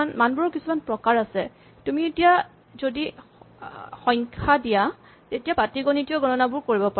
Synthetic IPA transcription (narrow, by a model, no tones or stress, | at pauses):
nmanbɔɹɔkisumanpɹɔkaɹasɛ | tumietija | zodi | xɔjŋkʰadija | tetijabatiɡɔnitiɔɡɔnɔnabʊɹkoɹibɔpa